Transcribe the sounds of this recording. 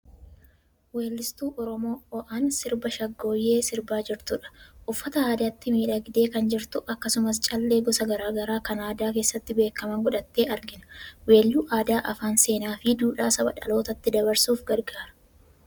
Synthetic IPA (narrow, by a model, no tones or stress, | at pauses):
we̞ːlːɪst̪uːʔɔɾɔmo̞ːɔʔɐnsɪɾbɐʃɐɡːo̞ːjːe̞ːsɪɾbaːd͡ʒɪɾt̪ʊᶑɐ̥ʔʊfːɐt̪ɐaːd̪at̪ːɪmiːᶑɐɡɪd̪e̞ːkɐnd͡ʒɪɾt̪ʊʔɐkːɐsʊmɐst͡ʃʼɐlːeːɡɔsɐɡɐɾaːɡɐɾaːkɐnaːd̪aːke̞ːsːɐt̪ːɪbe̞ːkːɐmɐŋɡɔᶑɐt̪ːe̞ːʔɐɾɡɪnɐ̥weːlːuːʔaːd̪aːʔɐfaːnse̞ːnaːfɪd̪uːᶑaːsɐbɐ̰ᶑɐ̰lo̞ːt̪ɐt̪ːɪd̪ɐβɐɾsuːfɡɐɾɡaːɾɐ̥